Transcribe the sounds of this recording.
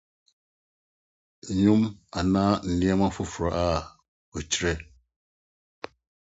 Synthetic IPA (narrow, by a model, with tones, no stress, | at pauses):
ɲu˦ma˨naː˦n̩˨nĩ˦ɛ˦ma˦fu˦fu˨ɾa̰˨ʔaː˦˨ | we˨t͡ʃɾɛ˦